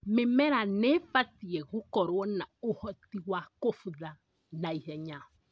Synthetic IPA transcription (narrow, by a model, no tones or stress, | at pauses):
mɪmɛɾanɛfat̪iɛɣukɔɾwɔnaohɔt̪iwakofuða | naihɛɲã